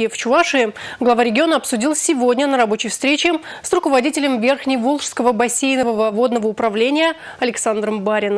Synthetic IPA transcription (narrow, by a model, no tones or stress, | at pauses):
ɪft͡ɕʊaʂɨɡlˠɐvaɾʲɪɡʲɪonəɐpsʊdʲilˠsʲɪvo̞dʲnʲənəɾɐbo̞t͡ɕɪjfst̪ɾʲet͡ɕɪsrʊkəvɐdʲitʲɪlʲəmvʲe̞rxnʲɪjvolˠʂskəvəbɐsʲːejnəvəvəvo̞d̪nəvəʊpɾɐvlʲenʲɪjə | ɐlʲɪksand̪ɾəmbaɾʲɪnə